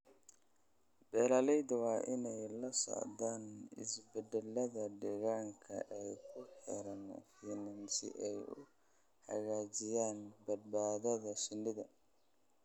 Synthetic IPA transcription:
bɛːlaːlɛjd̪ɐwɑːʔɪnɛjlɐsɔ̰ʕd̪aːnɪ̰sbɛd̪ɛlːɐðɐɖɛɣaːŋkʰɐ̰ʔɛjkʰʊħɛ̰ɾɐn̰fiːnansɪ̰ʔɛjʊ | ħɐ̰ɣaːt͡ʃɪjaːnbɐd̪̚baːðɐðɐsɪndɪðɐ

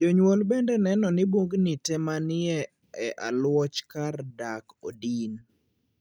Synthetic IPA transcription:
d͡ʒoɲwolbɛndɛnɛnɔnɪboɡnitɛmanɪɛ | ɛʔa̰lwɔt͡ʃkardakodin

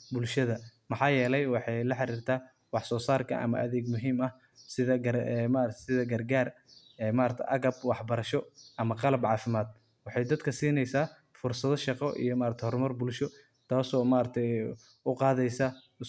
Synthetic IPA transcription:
bʊlʃɐðɐmɑħɑːjɛːlɛjwɑħɑjlɐħɑɾiːrt̪ʰaː | wɑħsɔːsaːrkʰɐ̰ʔɐ̰mɐ̰ʔɐðɛːɡmʊɦiːmɐh | sɪðɐɡɐrɛmaːɾɐsɪðɐɡɐrɡaːr | ɛːmaːɾɐt̪ʰɛ̰ʔɐɣɐbwɑħbɐɾɐʃɔʔɐmɐqɑlɐbʕɑːfɪmaːd̪̚ | wɑħɑjd̪ɐd̪kʰɐsiːnɛjsaː | fʊrsɐðɔʃɑqɔʔḭjɔmaːɾɐt̪ʰɛhɔrmɐrbʊlʃɔ | t̪ʰaːsɔːmaːɾɐt̪ʰɛ | ʊqɑːðɛjsa

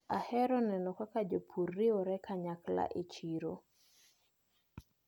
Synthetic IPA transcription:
ahɛɾɔnɛnɔkakad͡ʒopʰurːiɔɾɛkaɲakla̰ʔet͡ʃiɾo

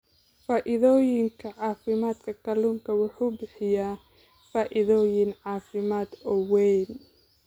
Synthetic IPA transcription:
faːʔɪðɔːjɪŋkʰɐʕɑːfɪmaːd̪kʰɐkʰɐluːŋkʰɐwʊħuːbɪħɪjaː | faːʔɪðɔːjɪnʕɑːfɪmaːd̪ɔwɛjn

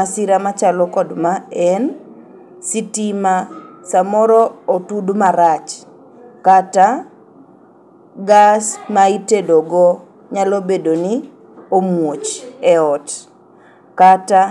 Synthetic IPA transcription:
asiɾamat͡ʃalɔkɔdmaɛn | sitimasamɔɾɔotudmaɾat͡ʃ | kata | ɡasmaitedoɡɔ | ɲalobedoni | omwot͡ʃɛɔt | kata

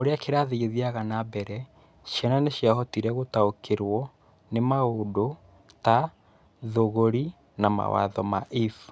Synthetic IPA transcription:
oɾeakeɾaːðeɣeðiaɣanabɛɾɛ | ɕjɛnaneɕjaɦɔtiɾɛɣotaokʰeɾwɔ | nemaodo | ta | ðoɣoɾi | nama̰wa̰ðɔmaʔif

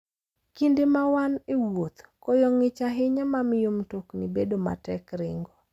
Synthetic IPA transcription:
kindemawanewot̪kɔjɔŋɪt͡ʃaɦɪɲamamɪjomtoknibedoma̰tɛkɾɪŋɡo

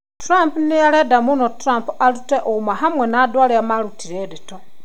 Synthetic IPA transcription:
tuɾampunijaledamunotuɾampualuteʔoumaɦamwenadwaleamalutʰiɾeɾito

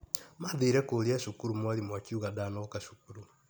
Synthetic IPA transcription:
maðiɾɛkoɾiaʃukuɾumwaɾimwakiuɣadanakaʃu̥kuɾu

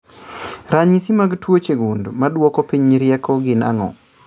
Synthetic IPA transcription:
ɾaɲisimaɡtwot͡ʃeɡundmadwɔkɔpiɲiɾjɛkʰɔɡɪna̰ŋɔ̰

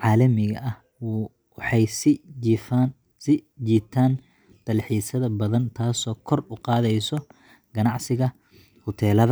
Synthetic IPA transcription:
ʕɑːlɐmɪɣɐʔɐh | wɑħɑjsfn | sɪd͡ʒiːt̪ʰaːn | t̪ʰɐlħiːsɐðɐbɐðɐnt̪ʰaːsɔːkʰɔrʊqɑːðɛjsɔ | ɡ̥ɐnɑʕsɪɣɐ | hʊt̪ʰɛːlɐðɐ

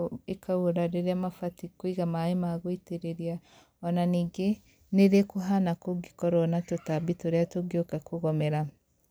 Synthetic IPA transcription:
ekaoɾaɾeɾeamafatikwiɣamaemaɣoiteɾeɾia | ɔnaniːɡe | neɾekoɦanakoɡikɔɾɔnatotabitoɾeatoɡjokakoɣɔmɛɾa

